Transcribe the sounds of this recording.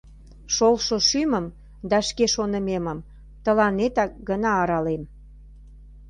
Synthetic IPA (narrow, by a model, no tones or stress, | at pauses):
ʃolʃoʃyməm | d̪ɑʃkeʃonəmeməm | t̪əlɑnet̪ɑk̚ɡənɑːɾɑlem